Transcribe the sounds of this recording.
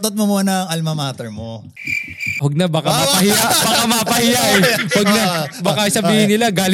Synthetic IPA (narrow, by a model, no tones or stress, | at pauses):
t̪ot̪̚momonɐŋʔɐlmɐmaːt̪ɛɹmo | wɐɡ̚nabɐkaapɐhɪjabakamapɐhɪjaʔɛwɐɡ̚nabɐkɐjsɐbiːhɪnɪlaɡaːl